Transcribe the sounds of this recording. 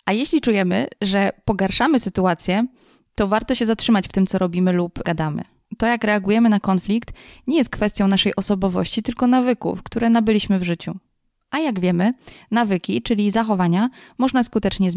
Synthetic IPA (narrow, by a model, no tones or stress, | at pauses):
ʔajeɕlʲit͡ʂujɛmɘ̰ʐɛpɔɡaɾʂamɘsɘt̪uat̪sʲjɛ | t̪ɔvaɾt̪ɔɕɛzatʂɘmat͡ɕft̪ɘmtsɔɾɔbʲimɘlupɡad̪amɘ̰ | t̪ɔjakɾɛaɡujɛmɘnakɔnflʲikt̪ɲɛjɛst̪kfɛst̪jɔ̃w̃naʂɛjʔɔsɔbɔvɔ̰ɕt͡ɕit̪ɘlkɔnavɘkṵfkt̪uɾɛnabɘlʲiɕmɘvʐɘt͡ɕu | ʔajaɡvʲjɛmɘnavɘkʲit͡ʂɘlʲizaxɔvaɲamɔʐnaskut̪ɛt͡ʂɲɛz